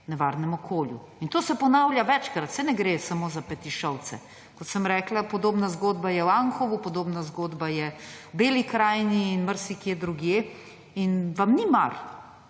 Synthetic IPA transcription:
nɛʋaːɾnɛmɔkʰoːljṵ | int̪oːsɛpɔnaːwljaʋɛt͡ʃkɾat̪sɛnɛɡɾesamoːzapɛt̪iʃɔw̪sɛ̰ | kɔt̪səmɾɛːklapɔd̪oːbnazɡoːd̪bajɛwaŋxɔʋupɔd̪oːbnazɡoːd̪bajɛbeːlikɾaːjniːnməɾsikiɛd̪ɾuɡje | inʋamnima̰ɾ

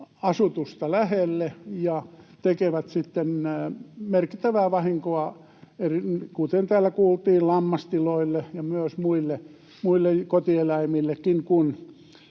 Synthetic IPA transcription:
ɑsut̪ust̪ɑlæhelːejɑt̪ekeʋæt̪sit̪ːen | merki̥t̪ːæʋæːʋɑhiŋkoɑ | erikut̪ent̪æːlːˑækuːlt̪iːllɑmːɑst̪iloilːejɑmyøsmuilːe | muilːejkot̪ielæimilːekːiŋkun

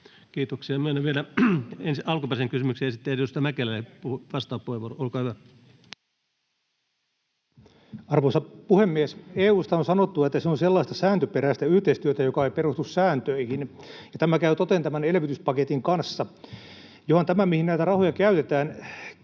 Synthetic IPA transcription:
kiːt̪oksiɑmyøenːeʋielæensiɑlkupeseŋkysymykseesit̪ːejost̪ɑmækelælepuhuʋɑst̪ɑːppuheʋoroolkɑːhyʋæ | ɑrʋoːsɑpuhemːieseːuːst̪ɑonsɑnot̪ːuɑet̪ːæseonselːɑist̪ɑsæːnt̪øpeɾæst̪æyht̪eist̪yøt̪æjokɑeiperust̪ussæːnt̪øihin | jɑt̪æmækæyt̪ot̪ent̪æmænelʋit̪yspɑket̪iŋkɑnsːɑ | johont̪æmæmihinnæit̪ærɑhojɑkæyt̪et̪æːn

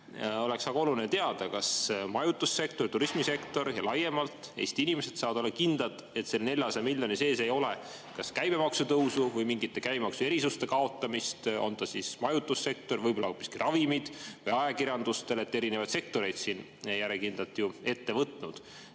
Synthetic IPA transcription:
o̞le̞ksɑɡɑo̞lulinet̪e̞ɑd̪̥ɑkɑsmɑjut̪ːˑusːe̞k̚t̪o̞rt̪uɾismise̞kt̪o̞ɾjɑlɑje̞mɑlt̪ˑejst̪inime̞se̞t̪sɑːvɑd̪̥o̞lːɑkind̪̥ɑt̪ˑ | e̞t̪ːse̞lne̞lʲjɑsɑmiljo̞nise̞ːse̞jo̞le | kɑskæjb̥e̞mɑksut̪ɤwsuvɤjmiŋɡit̪ːe̞kæjbemɑksue̞ɾisust̪e̞kɑo̞t̪ːˑɑmist̪o̞̰nd̪ɑsismɑjut̪ːˑusːe̞k̚t̪o̞rvɤjbo̞lːɑopːˑi̥skirɑvimid̪̥vɯjɑjɑkiɾjɑnd̪̥ust̪e̞le̞t̪ːeɾinevɑjd̪se̞k̚t̪o̞ɾejd̪̥sin | jæɾekind̪lɑlt̪ːˑjue̞t̪ːe̞vɤt̪ˑnud̪̥

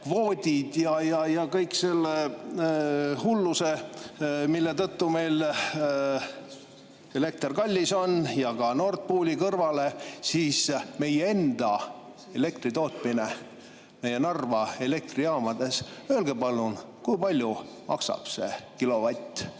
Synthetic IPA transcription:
kvo̞ːd̪ʲid̪̥jɑjɑjɑkɤjkse̞lːe | hulːuse̞ | milːe̞t̪ɤt̪ːume̞jl | e̞le̞k̚t̪rkɑlʲːiso̞njɑkɑno̞ːrt̪̚puːlʲikɤrvɑle̞siːsme̞jee̞nd̪̥ɑ | e̞le̞k̚t̪rit̪o̞ːt̪ˑmine | me̞je̞nɑrvɑe̞le̞k̚t̪riɑːmɑd̪̥e̞sø̞ːlɡ̥e̞pɑlːun | kujpɑlʲju | mʔɑ̰ksɑ̰b̥se̞̰kilo̞vɑt̪ʲːˑ

